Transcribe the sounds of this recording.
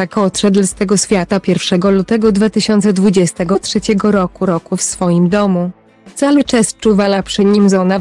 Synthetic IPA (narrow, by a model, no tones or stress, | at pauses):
akɔt̪ʂɛd̪lst̪ɛɡɔɕfʲjat̪apʲjɛɾfʂɛɡɔlut̪ɛɡɔd̪vat̪ɘɕɔnt̪sɛd̪vud͡ʑɛst̪ɛɡɔt̪ʂɛt͡ɕɛɡɔɾɔkuɾɔkufsfɔjimd̪ɔmu | t̪salut͡ʂɛst͡ʂuvalapʂɘɲimzɔna